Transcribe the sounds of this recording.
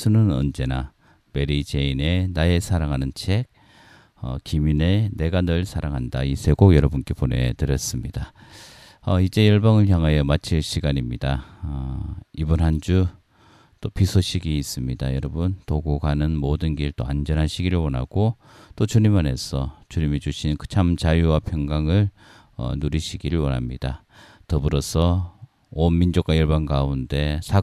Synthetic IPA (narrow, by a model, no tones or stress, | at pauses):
sʰunɯnʌ̰nd͡ʑe̞na | me̞ɾid͡ʑe̞ine̞nae̞sʰaɾaŋɦanɯnt͡ɕʰe̞ɡ̚ | ʌ̰kimine̞ne̞ɡanʌɭsʰaɾaŋɦandaisʰe̞ɡoɡjʌɾʌbunk͈e̞pone̞̰tɯɾjʌs͈ɯmɲida | ʌid͡ʑe̞jʌɭbʌŋɯɭçjaŋɦajʌmat͡ɕʰiɭɕʰiɡaɲimɲidaʌibɯnɦand͡ʑu | t͈opisʰoɕʰiɡiːs͈ɯmɲidajʌɾʌbɯntoɡoɡanɯnmodɯnɡiɯɭt͈oa̰nd͡ʑʌnɦaɕʰiɡiɾɯɭwʌna̰ɡ̥o | t͈ot͡ɕuɲimane̞sʰʌt͡ɕuɲimid͡ʑuɕʰinkɯ̥t͡ɕʰamt͡ɕajuwapʰjʌŋɡaŋɯɭ | ʌ̰nuɾiɕʰiɡiɾɯɭwʌnɦa̰mɲid̥a | tʌbɯɾʌsʰʌ | onmind͡ʑok͈wajʌɭbanɡaunde̞sʰa